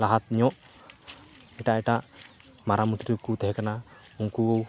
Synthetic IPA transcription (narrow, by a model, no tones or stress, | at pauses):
laɦat̪̚ɲɔʔ | iʈaiʈaʔ | maɾamut̪it̪ukut̪eɦɛkənauŋkuow